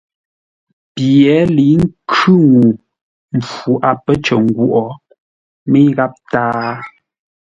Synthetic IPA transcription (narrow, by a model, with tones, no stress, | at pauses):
pjɛ˨˦li˨˦ŋ̩˦kʰʉ˦ŋu˨ | m˨fu˨˦ʔa˨pə˦t͡ʃə˨ŋ̩˨ɡwu˨ʔɔ˨ | me˦ɣa˦p̚taː˦